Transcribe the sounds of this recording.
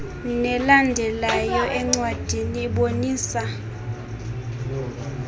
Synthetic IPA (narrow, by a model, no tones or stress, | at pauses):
nɛlandʱɛlajɔʔɛŋ͡ǀwad̥ʱiniːɓoniːsa